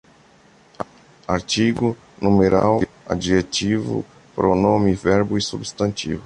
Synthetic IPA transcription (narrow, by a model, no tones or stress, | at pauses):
aɾt͡ʃiɡu | numeɾa̰wa̰d͡ʒiʒetivṵ | pɾonõmivɛɾbʊisubst̪ɐ̃nt̪ivʊ